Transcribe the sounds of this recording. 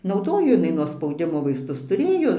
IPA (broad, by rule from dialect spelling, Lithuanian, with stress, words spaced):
nɐʊˈdoːjoː jɪˈnɐɪ nuɔ spɐʊˈdʲɪmoː ʋɐɪsˈtʊs tʊˈrʲeːjoː